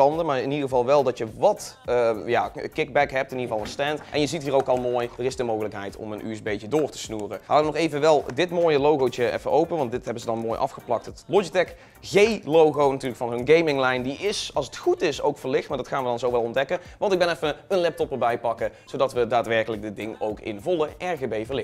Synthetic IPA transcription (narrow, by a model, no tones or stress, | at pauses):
ɑndəmaːɹɪnidəɣəvɑlˠʋɛlˠdɑtjəʋɑtəja̰kɪɡ̚bɛkɦɛp̚tɪnidəvɑlˠənstɛntʔɛ̰njəzitɦiːrowkɑlˠmoːjdərɪsdəmowɣələkɦɛjtɔ̰mənʔy̰sbejt͡ʃədʊːrtə̥snuːrəɦaːənɔχejvənʋɛlˠdɪtmoːjəlowɣowt͡ʃəɛ̰fəʔowpənʋɑnt̚dɪtɦɛbənzədɑnmoːjʔɑ̰fχəplɑk̚tɦətlɔd͡ʒitɛk | ɣejlowɣownatyːləkfɑnɦɵnɡejmɪŋlɛjndiʔɪsɑlˠsətχutɪso̰wkfəɹlɪxtmaːɹdɑtχaːnʋədɑnzowʋɛlˠɔndɛkəʋɑntɪɡ̚bɛnɛfəənlɛp̚tɔpəɹbɛjpɑkəz̥owdɑtʋədaːtʋɛɹkələɡ̚dɪt̚dɪŋowkɪ̰nvɔlˠəʔɛɹɣebejvəɹlɪ